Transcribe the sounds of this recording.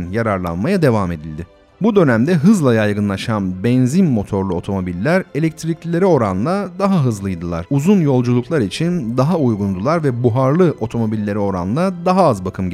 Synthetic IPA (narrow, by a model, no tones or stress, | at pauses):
njaɾaɾlˠa̰nmajad̪e̞vame̞d̪ilʲd̪ɪ | bud̪ø̞næmd̪ɛɦɯzlˠajajɡɯnlˠaʃanbɛnzinmo̞t̪ʰo̞ɾlˠuo̞t̪ʰo̞mo̞bilʲːæɾe̞lʲɛc̚t̪ʰɾiclʲilʲe̞ɾio̞ɾa̰nlˠad̪aɦaɦɯzlˠɯjd̪ɯlˠa̰ɾ̥uzunjo̞lˠd͡ʒulˠuklˠaɾit͡ʃʰind̪aɦaujɡund̪ulˠaɾvɛbuɦaɾlˠɯʔo̞t̪ʰo̞mo̞bilʲːe̞ɾio̞ɾa̰nlˠad̪aɦaazbakʰɯmɟ